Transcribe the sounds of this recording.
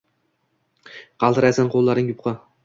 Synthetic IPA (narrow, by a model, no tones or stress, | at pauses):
qʰɑlˠt̪ɨɾajsanqʰolˠːaɾɪŋjʊpqʰɑ